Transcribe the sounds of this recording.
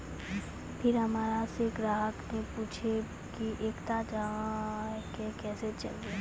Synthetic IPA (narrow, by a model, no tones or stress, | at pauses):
pʰɪɾɦɐmaːɾaseɡɾaːɦəknepuːt͡ʃʰe | kiʔeːkt̪ad͡ʒaɦãkekɛːset͡ʃɐ̰lɡe